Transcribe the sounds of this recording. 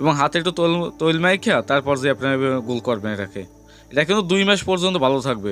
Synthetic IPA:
eboŋɦat̪ek̚ʈut̪lt̪ojlmajkʰiat̪aɾpɔɾd͡ʑaapnaeeɡulkɔɾbeneʈakʰe | eʈakʰonod̪ujmɛʃpɔɾd͡ʑont̪obʱalot̪ʰak̚be

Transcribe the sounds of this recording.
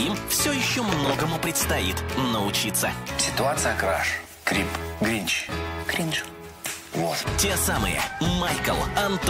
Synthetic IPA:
imfsʲojɪɕːomno̞ɡəmʊpɾʲɪt̪st̪ɐit̪nəʊt͡ɕit̪sːəsʲɪ̥t̪ʊat̪sɨjəkɾa̰ʂ | kɾʲipɡɾʲinʲt͡ʃɡ̥ɾʲinʃʊ̥ | vot̪tʲe̞samɨ̰jə̰majkəlˠɐnt̪

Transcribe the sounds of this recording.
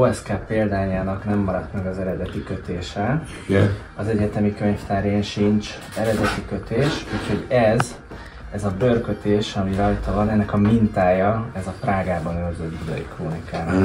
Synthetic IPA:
oɛskaːpeːld̪aːɲaːnɒknɛmːɒɾɒt̪mɛɡɒzɛɾɛd̪ɛt̪ikø̞t̪eːʃɛ | ɒzɛɟɛt̪ɛmikø̞ɲft̪aːɾjenʃint͡ʃ | ɛɾɛd̪ɛt̪ikø̞t̪eːʃuːcho̞ɟɛz | ɛzɒbø̞rkø̞t̪eːʃɒmiɾɒjt̪ɒvɒnɛnːɛkɒmint̪aːjɒɛzɒpraːɡaːbɒnørzød̪bud̪ɒ̰jikroːnikaːn

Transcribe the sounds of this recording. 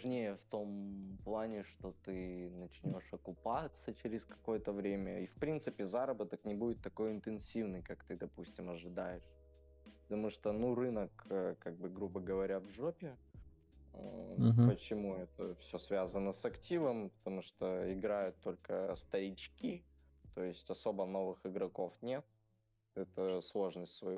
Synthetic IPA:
ʐnʲejəft̪o̞mplˠanʲɪʂt̪o̞t̪ɨnɐt͡ɕnʲo̞ʂɐkʊpat̪sət͡ɕɪɾʲɪskɐ̥ko̞jət̪əvɾʲemʲəifpɾʲint̪sɨpʲɪzaɾəbət̪əknʲɪbudʲɪt̪ːɐko̞jɪnt̪ɨnsʲivnɨjkakt̪ɨd̪ɐpusʲtʲɪmɐʐɨd̪ajɪʂ | pət̪ɐmuʂt̪onurɨnəkəkaɡ̚bɨɡɾubəɡəvɐɾʲavʐopʲɪ | pət͡ɕɪmuɛt̪əfsʲɵsvʲazənəsɐktʲivəmpə̥t̪ɐmuʂt̪oɪɡɾajʊt̪ːo̞lʲkəst̪əɾʲɪt͡ɕkʲi | t̪oɪsʲtʲɐso̞bəno̞vɨxɪɡɾɐko̞fnʲe̞t̪̚ | ɛt̪əslˠo̞ʐnəsʲtʲsvɐj

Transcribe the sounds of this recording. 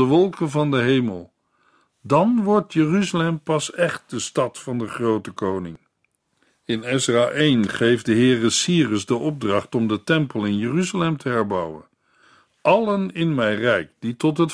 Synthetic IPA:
əʋɔlˠkənvɑndəɦejməlˠ | dɑnʋɔɹtjəryzəlɛmpɑsɛχt̚dəstɑtfɑndəχrowtəkownɪŋ | ɪnɛsraːʔejnχejfdəɦɪːrəsiːrəzdəʔɔb̚drɑχtɔmdətɛmpəlˠɪnjəryzəlɛmtʰəɦɛɹbʌwə̰n | ʔɑlənɪnmɛjrɛjk̚d̥itɔtɦət

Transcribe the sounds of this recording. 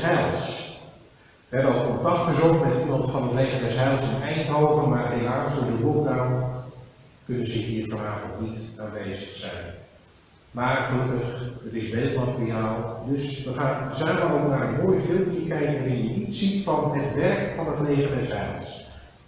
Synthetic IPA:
hɛlˠs | ʋəɛbənɔlˠkɔntak̚tχəzɔŋtmɛtiməntfɔnətleːɣədɛsɦɛlˠsənɛjntɦoːvənmarɦelaːksdʊːɹdəlopdaw | kønənzəɦiːrfɔnaːvəntnitaːnʋeːzəxsɛjn | marxəløkəxərɪsbeːlˠmatəriaːlˠdøsʋəxaːnəzaːnəovnaːɾənmoːjfɪlˠəmkjəkɛjkənʋaɦɪnjənitsitfɔnɦətʋɛrkfɔnətleːɣədɛshɛlˠs

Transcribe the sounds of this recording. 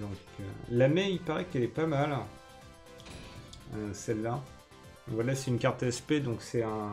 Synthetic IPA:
d̪ɔ̃kø̰lamɛilpaʁɛkɛlɛpamal | øsɛlːã | vwalasɛynkaʁt̪ɛsped̪ɔ̃ksɛɛ̃

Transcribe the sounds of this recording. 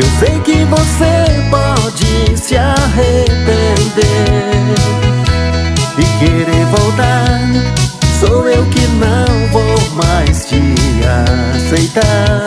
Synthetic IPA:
ewsejkɪvosepɔd͡ʒɪsɪaɦepend̪eɾɾ | ɪkeɾeɾvowt̪aɾsowewkɪnɐ̃w̃vowmajst͡ʃɪasejt̪aɾ

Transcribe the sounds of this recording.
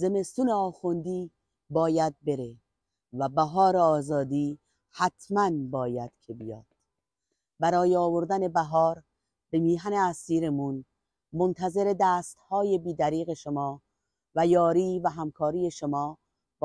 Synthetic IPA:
zeme̞st̪juneɒːxund̪iː | bɒːjæd̪̚be̞ɾe | væbæɦɒːɾeɒːzɒːd̪iː | hæt̪ʰmænbɒːjæd̪̥kʲʰe̞bijɒ̰ːd̪̥ | bæɾɒːjeɒːvoɾd̪æne̞bæɦɒːɾ | bemiːɦæne̞æsiːɾe̞mun | mont̪ʰæze̞ɾe̞d̪æːst̪hɒːje̞biːd̪æɾiːɣe̞ʃomɒː | væjɒːɾiːvæɦæmkʰɒːɾiːje̞ʃomɒː | b

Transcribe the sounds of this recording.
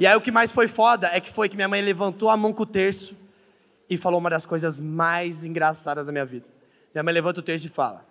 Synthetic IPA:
ɪaiʊkɪmajsfojfɔd̪ɐɛkɪ̥fojkɪmĩɲɐmɐ̃j̃levɐ̃nt̪owamɐ̃w̃kõʊt̪eɾsʊ̥ | ɪfalowũmɐd̪ɐskojzɐzmajzĩɡɾasad̪ɐznɐmĩɲɐvid̪ɐ | mĩɲɐmɐ̃j̃levɐ̃nt̪ɐʊt̪eɾsʊɪfa̰lɐ̰

